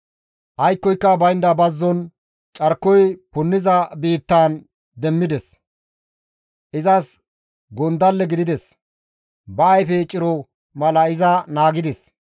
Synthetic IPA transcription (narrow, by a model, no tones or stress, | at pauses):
ʔɐjkːɔjkːɐbɐjnd̪ɐbɐzːɔn | t͡ʃʼɐɾkːɔjpʊnːɪzɐbiːt̪ːaːn | d̪ɛmːɪd̪ɛs | ʔɪzɐs | ɡɔnd̪ɐlːɛɡɪd̪ɪd̪ɛs | bɐːjfɛt͡ʃʼɪɾɔ | mɐlɐɪzɐnaːɡɪd̪ɛs